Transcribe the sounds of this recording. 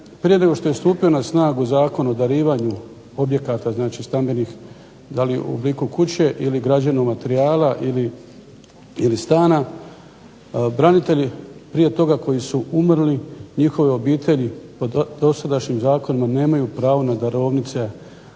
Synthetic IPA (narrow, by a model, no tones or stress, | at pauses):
pɾije̞neɡo̞ʃt̪o̞je̞st̪uːpio̞nasnaːɡuzaːko̞nod̪aɾiːʋaɲu | o̞bje̞kat̪aznaːt͡ʃist̪ambe̞nix | d̪aliṵobliːkukut͡ɕe̞ʔiliɡɾad͡ʑanomat̪eɾiaːlaʔili | ilist̪aːna | bɾanit̪e̞ʎipɾije̞t̪o̞ɡako̞jisuumɾliɲixo̞ʋio̞biːt̪ʰe̞ʎipo̞d̪o̞sad̪aʃɲimzaːko̞nimane̞ːmajupɾaːʋo̞nad̪aɾo̞ːʋnit̪se̞